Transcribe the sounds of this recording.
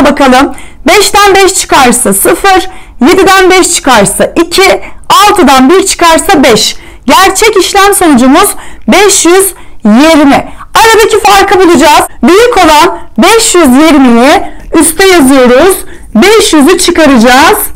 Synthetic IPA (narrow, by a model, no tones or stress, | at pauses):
bakʰalˠɯmbɛʃd̪ænbɛʃt͡ʃʰɯ̥kaɾsasɯfɯɾje̞d̪id̪ænbɛʃt͡ʃʰɯ̥kaɾsaʔicʰialˠt̪ʰɯd̪anbiɾt͡ʃʰɯ̥kaɾsabɛʃ | ɟæɾt͡ʃʰɛciʃlʲæmso̞nud͡ʒumuz̥bɛʃjyzjeɾmɪaɾad̪acʰifaɾkʰabulˠud͡ʒaːz̥byjycʰo̞lˠanbɛʃjyzjeɾmijɛyst̪ʰɛjazɯjo̞ɾuz̥ | bɛʃjyzyt͡ʃʰɯkaɾad͡ʒaːz̥